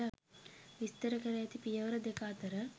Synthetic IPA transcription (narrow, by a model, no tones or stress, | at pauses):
ɐʋist̪ɐɾɐkɐɾɐjɐt̪ipijɐʋɐɾɐd̪ekaːt̪ɐɾɐ